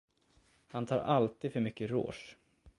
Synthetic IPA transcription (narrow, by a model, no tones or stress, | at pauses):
hant̪ʰɑːɾʔalt̪iːd̪fœɾmʏkːəɾo̰ːʂ